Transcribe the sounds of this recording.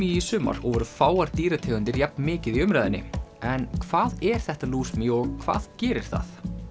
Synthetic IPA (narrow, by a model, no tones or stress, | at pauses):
iisʏːma̰ɾɔɣvɔːɾʏfaːwaɾ̥t̪iːɾat̪ʰɛːɣʏnt̪ɪɾjɛp̚nmɪːcɪðiʏmɾajðɪnːɪ̰ɛnkʰv̥aːðɛɾ̥θɛht̪aluːsmiɔɣkʰva̰ːðcɛːɾɪɾ̥θa̰ð